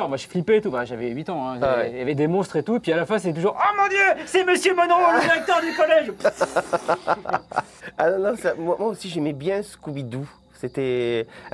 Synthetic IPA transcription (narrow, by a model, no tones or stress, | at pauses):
ʁmwaʃi̥flipeːt̪ufɛ̃ʒavɛɥit̪ɑ̃ɛ̃ɛjavɛd̪emɔ̃st̪χet̪uepɥialafɛ̃set̪ɛt̪̬uʒuʁomɔ̃d̪jøsɛməsjømɔnʁɔ̃ləd̪iʁɛk̚t̪œʁd̪ykɔlɛʒp | anɔ̃nɔ̃samwamwaosiʒɛmɛbjɛ̃sə̥kubid̪u | set̪ɛ